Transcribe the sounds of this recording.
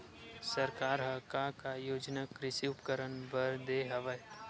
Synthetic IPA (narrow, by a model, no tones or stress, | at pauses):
səɾkaːɾɦɐkakajoːd͡ʒnakɾɪsiʊpkəɾənbəɾd̪eːɦɐʋəj